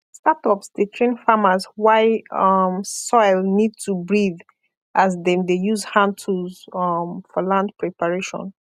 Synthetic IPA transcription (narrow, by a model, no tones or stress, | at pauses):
statɔpsdetʰɹẽnfamazwaɪʌmsɔɪlnid̚tʰubɹið | ʔazdɛdejuzhãntʰuzmfɔlãndpɹɛpaɹeʃɔ̰̃n